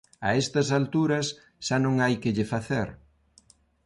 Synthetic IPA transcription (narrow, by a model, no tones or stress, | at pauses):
ɐ̰est̪ɐsalt̪uɾɐs | ʃanõŋajkɪʎɪfaθeɾ